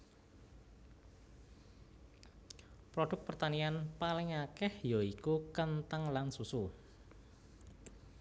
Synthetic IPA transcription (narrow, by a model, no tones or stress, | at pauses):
pɾoɖ̥ʊ̤k̚pərt̪anianpalɪŋakɛhjoikukənt̪əŋlansusu